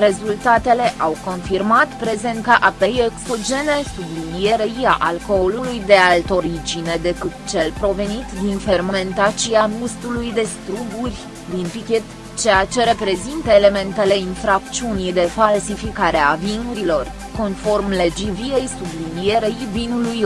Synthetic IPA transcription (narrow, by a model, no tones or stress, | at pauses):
re̞zult̪at̪e̞le̞ʔawko̞nfirmat̪pɾe̞ze̞nt̪kaʔapejekso̞d͡ʒe̞nesublinije̞ɾeiaʔalko̞ululujd̪e̞alt̪o̞ɾid͡ʒine̞d̪e̞kɨt̪t͡ʃe̞lpɾo̞ve̞nitt̪d̪infe̞rmment̪at͡ʃiamust̪ulujd̪e̞st̪ɾuɡurʲ | d̪inpikʲe̞t̪ | t͡ʃe̞jat͡ʃe̞ɾe̞pɾe̞zint̪əele̞me̞nt̪e̞le̞infɾak̚t͡ʃiunijd̪e̞falsifikaɾeavinuɾilo̞r | ko̞nfo̞rmle̞d͡ʒivie̞jsublinije̞ɾejvinuluj